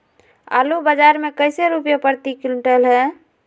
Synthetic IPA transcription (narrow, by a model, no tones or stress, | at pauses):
a̰lubad͡ʒaɾmekəɪseɾupjapəɾt̪ikilʈəlɦɛ̃